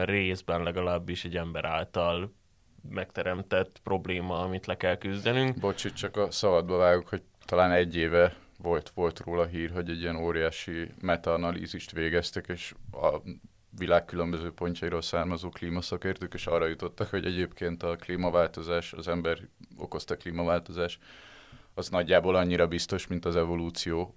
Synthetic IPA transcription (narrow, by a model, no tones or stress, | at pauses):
reːzbɛnlɛɡɒlaːbːiʃɛɟɛmbɛɾʔaːlt̪ɒl | mɛkt̪ɛɾɛmt̪ɛt̪pro̞bleːmɒɒmit̪lɛkɛlkyzd̪ɛnyŋkbo̞t͡ʃit̪t͡ʃɒkɒsɒbɒd̪̚bɒvaːjukho̞ɟ̚ | t̪ɒlaːnɛɟːeːvɛ | vo̞lt̪ʋo̞lt̪roːlɒɦiːrɦo̞ɟɛɟːijɛnoːɾijaːʃimɛt̪ːnɒlḭːziʃt̪ʋeːɡɛst̪ɛkeːʃɒ̰ | vilaːkːylø̞mbøzøːpo̞ɲcɒiɾolsaːrmɒzoːkliːmɒsɒkeːrt̪øːkeːʃɒrːɒjut̪o̞t̪ːɒkho̞ɟɛɟeːpkeːnt̪ɒkliːmɒvaːlt̪o̞zaːʃɒ̰zɛmbɛro̞̰ko̞st̪ɒkliːmɒvaːlt̪o̞zaːʃt̪ | ɒznɒɟːaːbolɒɲːiɾɒbist̪o̞ʃmint̪ɒzɛvo̞luːt̪sijoː